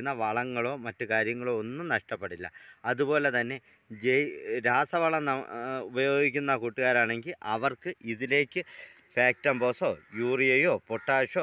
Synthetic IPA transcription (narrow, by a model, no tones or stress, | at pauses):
nːɐʋɐɭɐŋːɐɭo̞ːmɐtːukaːɾjɐŋːɐɭoːonːumnɐʂʈɐpːe̞ɽilːɐ̰ɐðupo̞ːle̞t̪ɐnːe̞ | d͡ʑejɾaːsɐʋɐɭɐnɐubɐjo̞ːɡikʲːunːaːkuːʈːuɣaːɾaːɳe̞ŋɡilʔɐʋɐrkɨʔiðile̞ːkːɨ | faːk̚tɐmbo̞ːsoːjuːrijɐjoːpoʈːaːʂoː